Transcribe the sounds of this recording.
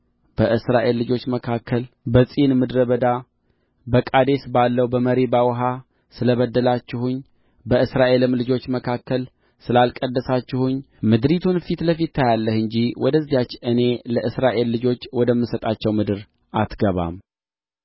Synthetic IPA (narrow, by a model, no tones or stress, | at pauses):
b̥əʔɨsɾaʔe̞lːɨd͡ʒo̞t͡ʃːməkʰakʰːəl | bəsʼinmɨd̪ɾəβəd̪a | bəkʼad̪e̞sbalːəwbəməɾebawɦa | sɨləβəd̪ːəlat͡ʃːɪhuɲ | bəɨsɾaʔe̞lɨmlɨd͡ʒo̞t͡ʃːməkʰakːəl | sɨlalkʼəd̪ːəsat͡ʃːɪhuɲ | mɨd̪ɾit̪ʰunfit̪ləfit̪ːajalːəhɨɲd͡ʒiwɔd̪əzːijat͡ʃːɨne̞ləʔɨsɾaʔe̞lːɨd͡ʒo̞t͡ʃːwɔd̪əmːɨsət̪ʼat͡ʃːɛwmɨd̪ɨɾ | ʔat̪ɡəβa̰m